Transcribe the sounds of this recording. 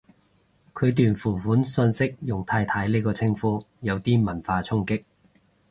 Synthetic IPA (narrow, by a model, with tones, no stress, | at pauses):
kʰɵ˨˧ɥt̪yː˨nfuː˨˩fuː˨˥nsɵ˧nsɪ˥k̚jʊ˨˩ŋt̪ʰaː˧jt̪ʰaː˨˥jliː˥kɔː˧t͡sʰɪ˥ŋfuː˨˥ | jɐ˨˧wt̪iː˥mɐ˨˩nfaː˧t͡sʰʊ˥ŋkɪ˥k̚